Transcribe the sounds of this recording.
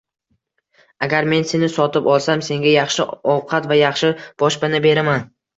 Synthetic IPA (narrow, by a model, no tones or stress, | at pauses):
aɡʲaɾme̞nse̞nɪsɒt̪ɪpɒlˠsamse̞ŋɡʲajɑχʃɪɒwqʰɑt̪vajɑχʃɪb̥ɒʃbɪnɪbe̞ɾaman